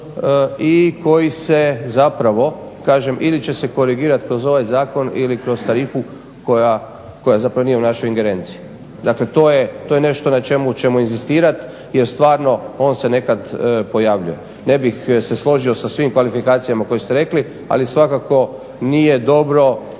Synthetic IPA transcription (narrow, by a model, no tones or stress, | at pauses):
ikʰo̞jise̞zapɾaʋo̞kaːʒe̞mʔilit͡ʃe̞se̞ko̞ɾiɡiːɾat̪kɾo̞zo̞ʋajzaːko̞nḭlikɾo̞z̥t̪aɾiːfu | koja | ko̞jazapɾaʋonije̞unaʃo̞jiŋɡe̞ɾe̞ːnt̪si̥i | d̪akle̞t̪oːjet̪ojene̞ʃt̪o̞nat͡ʃe̞mut͡ʃe̞muinzist̪iːɾat̪ | jeɾst̪ʋaːɾno̞o̞ːnse̞ne̞kad̪po̞jaʋʎṵje̞ | ne̞bixse̞slˠo̞ʒio̞sasʋimkʋalifikaːt̪sijamako̞jest̪eɾe̞kli | a̰lisʋakako̞ | nije̞d̪o̞bɾo̞